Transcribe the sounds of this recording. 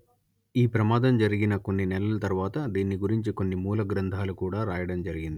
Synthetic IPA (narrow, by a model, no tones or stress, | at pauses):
iːpɾɐmaːd̪ɐmd͡ʒɐɾiɡinɐko̞nːinɛlɐlɐt̪ɐɾuʋaːt̪ɐd̪iːnːiɡuɾiɲt͡ʃiko̞nːimuːlɐɡɾɐnd̪ʱaːlukuːɽaːɾaːjɐɽɐmd͡ʒɐɾiɡind̪i